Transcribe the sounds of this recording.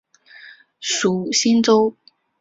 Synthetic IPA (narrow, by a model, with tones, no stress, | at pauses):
ʂu˨˩ɕi˥nt͡so˥ʊ